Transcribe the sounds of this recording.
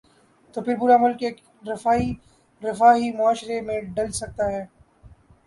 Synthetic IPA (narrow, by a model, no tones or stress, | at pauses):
t̪oːpʰɪɾbʊɾamʊlkeːk | ɾɪfaːi | ɾɪfaːɦimʊaːʃɾemẽɖɐlsɐk̚t̪aɦɛː